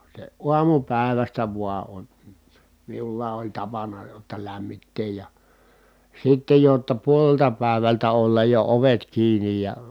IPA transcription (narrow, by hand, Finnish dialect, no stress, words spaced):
se uɑmupæˑi̯ʋæstæ ʋuɑ on miulːɑː olʲ tɑpɑnɑ jotːɑ læmːitːeːj jɑ sitːej jotːɑ puoleltɑ pæˑeʋæltæ olːɑj jo oʋet kiːnij jɑ